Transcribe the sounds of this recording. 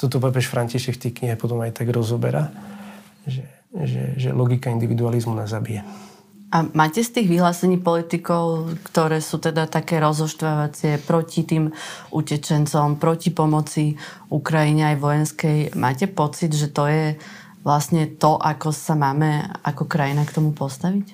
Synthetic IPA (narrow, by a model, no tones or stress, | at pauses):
t̪ɔt̪ɔp̬aːp̬ɛʃfɾaɲciʃɛkft̪ɛjkɲiɦɛpɔt̪ɔmajt̪aɡɾɔzɔbɛ̰ɾa | ʒɛ | ʒɛ̰ʒɛ̰lɔɡikaind̪iʋid̪ualizmunazabijɛ | ʔamaːcɛst̪iːɣʋiɦlaːsɛɲiːpɔlit̪ikɔʊkt̪ɔɾɛːsuːt̪ɛd̪at̪akɛːɾɔzɦɔʃt̪ʋaʋat͡sɪɛpɾɔcit̪iːmʔucɛt͡ʃɛnt͡sɔmpɾɔcipɔmɔt͡si | ukɾajiɲɛajʋɔjɛnskɛjmʔaːcɛpɔt͡sid̪ʒɛt̪ɔjɛ | ʋlasɲɛt̪ɔʔakɔsamaːmɛakɔkɾajinakt̪ɔmupɔst̪aʋic